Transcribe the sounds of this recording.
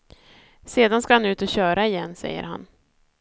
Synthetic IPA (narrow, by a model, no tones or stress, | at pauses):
seːd̪anskahanʉ̟ːt̪ɔɕœːɾʔaɪjɛnːsɛ̰jːə̰ɾɦa̰n